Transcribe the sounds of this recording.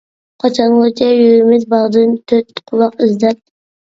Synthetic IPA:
qʰɑt͡ʃʰɑnot͡ʃʰɛjøɾɪmɪzbɑʁd̪ɨnt̪ʰøt̪qʰʊlˠɑqɪzd̪ɛt̪̚

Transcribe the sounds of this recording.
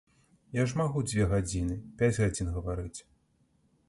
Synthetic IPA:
jaʐmaɣud͡zʲvʲɛɣad͡zʲinɨpʲad͡zʲɣad͡zʲinɣɐvaɾɨt͡sʲ

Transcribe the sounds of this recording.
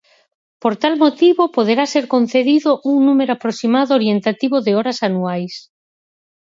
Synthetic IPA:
poɾt̪almot̪iβopoð̞eɾaseɾkõn̟θeðiðoʔuŋnumeɾoapɾosimaðooɾjent̪at̪iβoðeɔɾasanuajs

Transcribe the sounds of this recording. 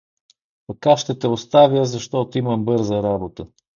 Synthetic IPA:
p̪ɐkaʃt̪ɛt̪ɛost̪avʲjəzɐʃt̪ɔt̪oiməmbɤɾzəɾabot̪ə

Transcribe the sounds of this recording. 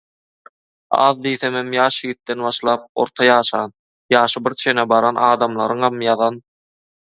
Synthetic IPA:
ɑ̰ːðd̪iːθememjɑːʃjɣit̪ːenβɑʃlˠɑːp̚o̞̰ɾt̪ʰɑjɑːʃɑːn | jɑːʃɯbiɾt͡ʃʰenebɑɾɑnɑːd̪ɑmlˠɑ̰ɾɯŋhɑmjɑðɑn

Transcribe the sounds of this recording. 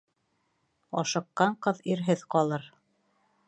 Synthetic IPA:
ɒʃɤ̆qːɑɴqɤðiɾɦɘðqɒlˠɤɾ

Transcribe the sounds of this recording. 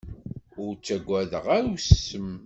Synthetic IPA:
ʊɾt͡sːæɡʷːæðəʁæɾwsəm

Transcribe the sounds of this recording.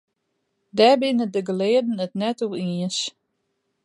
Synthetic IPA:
dɛbɪnədəɡəlɪədən̩ətnɛtuiəns

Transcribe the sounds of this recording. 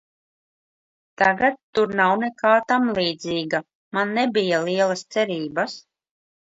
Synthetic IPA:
t̪aɡat̪ːuɾnawnekaːt̪amlˠiːd̪ziːɡa | manːɛbijaliɛlˠast̪sɛɾiːbas

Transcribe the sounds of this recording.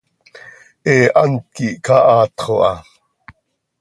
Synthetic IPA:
ʔeːʔɑnt̪̚kiʔkɑʔɑːt̪χoʔɑ

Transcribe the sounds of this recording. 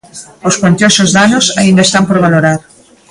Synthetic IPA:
oskant̪josozðanosaĩnd̪aest̪ampoɾβaloɾaɾ

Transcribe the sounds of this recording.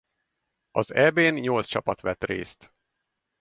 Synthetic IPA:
ɒzɛbeːnɲo̞lt̪st͡ʃɒpɒt̪ʋɛt̪rḛːst̪

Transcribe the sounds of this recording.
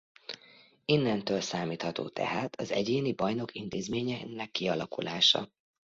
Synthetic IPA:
inːɛnt̪øːlsaːmiːt̪hɒt̪o̰ːt̪ʰɛ̰ɦaːt̪ʰɒzɛɟeːnibɒjno̞kint̪eːzmeːɲɛnːɛkːiɒlɒkulaːʃɒ̰

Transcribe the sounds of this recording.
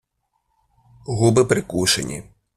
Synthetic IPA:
ɣubɪpɾɪkuʃḛnʲḭ

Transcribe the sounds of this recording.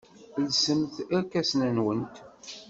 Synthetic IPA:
lsəmθækːæsnænwənt̪

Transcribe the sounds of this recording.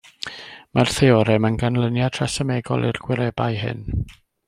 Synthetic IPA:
marθeɔɾɛmənɡanlˠənjatʰrasəmɛɡɔ̰lˠʔḭrɡ̥wɪɾɛbajɦɪ̰n

